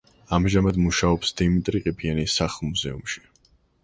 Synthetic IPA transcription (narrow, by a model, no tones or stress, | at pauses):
amʒamad̪muʃaɔpsd̪̥imit̪ʼɾiqʼibʰianisaχlˠmuzɛ̰ṵmʃi̥